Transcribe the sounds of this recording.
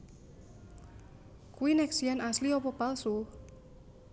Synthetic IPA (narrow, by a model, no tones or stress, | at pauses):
kuwinɛksianasliɔpɔpalsu